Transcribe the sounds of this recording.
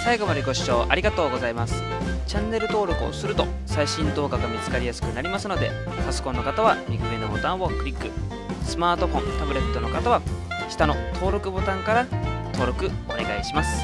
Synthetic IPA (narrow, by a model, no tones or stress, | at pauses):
saiɡo̞mad̪e̞ɡo̞ɕi̥t͡ɕo̞ːʔaɾʲiɡat̪o̞ːɡo̞zaimasɨ̥ | t͡ɕãnːe̞ɾɯ̟t̪o̞ːɾo̞kɯ̟o̰sɨɾɯ̟t̪o̞ | saiɕĩnt̪o̞ːɡaɡamʲit͡sɨ̥kaɾʲijasɨ̥kɯ̟naɾʲimasɨno̞d̪e̞̰ | t̪asɨ̥kõ̞nːo̞kat̪aβamʲikɯ̟ɡenobo̞t̪ãɰ̃βokɯ̟ɾʲikːɯ̟ | sɨmaːt̪o̞ɸõ̞nt̪abɯ̟ɾe̞t̪ːo̞no̞kat̪aβaɕi̥t̪ano̞t̪ʰo̞ːɾo̞kɯ̟bo̞t̪ãŋkaɾat̪o̞ːɾo̞kɯ̟o̞̰ne̞ɡaiɕimasɨ̥